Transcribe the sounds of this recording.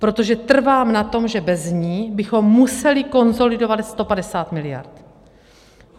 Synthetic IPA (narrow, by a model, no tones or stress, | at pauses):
pɾo̞t̪o̞ʒɛt̪r̩vaːmnat̪o̞mʒɛbɛzɲiːbɪxo̞mːusɛlɪko̞nzo̞lɪdo̞vatst̪o̞padɛsaːt̪mɪlɪja̰ɾt̪